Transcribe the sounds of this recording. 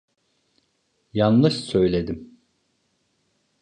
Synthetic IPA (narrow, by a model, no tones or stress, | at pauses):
janlˠɯʃsø̞jlʲe̞d̪im